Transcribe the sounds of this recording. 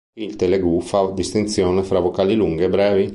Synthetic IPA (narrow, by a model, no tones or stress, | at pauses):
ilt̪eleɡufad̪ist̪ent̪sjoːnefɾavokaːliluŋɡebɾɛːvi